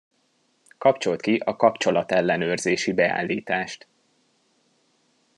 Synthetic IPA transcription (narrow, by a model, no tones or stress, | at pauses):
kɒpt͡ʃo̞lt̪kiʔɒkɒpt͡ʃo̞lɒt̪ɛlːɛnøːrzeːʃibɛa̰ːlːiːt̪aːʃt̪